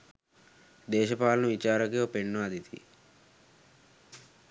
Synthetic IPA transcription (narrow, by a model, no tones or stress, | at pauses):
d̪ɛːʃɐpaːlɐnuʋit͡ʃaːɾɐkeopeɳːuaːd̪ʱit̪ḭ